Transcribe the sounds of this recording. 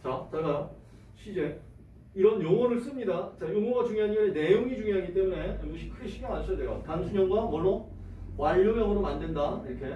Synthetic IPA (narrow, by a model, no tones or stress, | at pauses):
t͡ɕat͡ɕaɡajo | ɕʰid͡ʑe̞ | iɾʌnjoŋwʌnɯɭs͈ɯmɲidat͡ɕajoŋʌnɡat͡ɕuŋiɦaɲiene̞joŋid͡ʑuŋiɦaɡit͈e̞mune̞mbuɕʰikʰɯɡeɕʰiɡaŋanɕʰʌjadwe̞jotansʰuɲʌŋɡwamwʌɭːo | waʎːomjʌŋʌɾomandwendaiɾʌkʰe̞